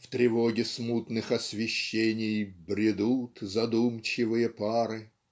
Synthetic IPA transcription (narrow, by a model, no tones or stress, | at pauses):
ft̪ɾʲɪvoɡʲɪsmut̪nɨxɐsvʲɪɕːenʲɪjbɾʲɪd̪ut̪zɐd̪umt͡ɕɪvɨjəpaɾɨ